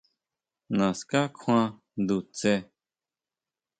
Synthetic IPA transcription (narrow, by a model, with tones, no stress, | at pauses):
nã˨ska˦kʰw̃ã˦ | d̪u˨t͡se˦